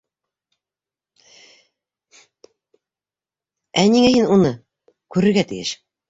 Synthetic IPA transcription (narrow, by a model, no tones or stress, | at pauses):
æniŋæɦinunɤ | kʉɾɘ̆ɾɡæt̪ɘ̰̆jɘ̰ʃ